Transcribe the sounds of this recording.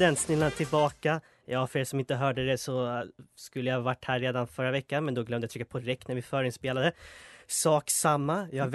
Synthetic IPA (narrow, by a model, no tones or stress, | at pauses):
ɛnt̪snɪlːanat̪ʰɪlbɑːka | jɑːfœɖɛːsɔmɪnt̪əɦœːɖəd̪ɛsɔskɵlːəjhvaʈːhæːɾːeːd̪anfœɾːavɛkːanmɛnd̪ɔɡlœmd̪əjat̪ɾɪkːapʰɔɾɛk̚t̪næɾvɪfœːɾɪnspeːlad̪əsɑːksamːajɑːhav